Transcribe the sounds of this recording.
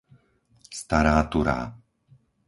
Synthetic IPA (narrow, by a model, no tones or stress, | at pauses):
st̪aɾaːt̪uɾa̰ː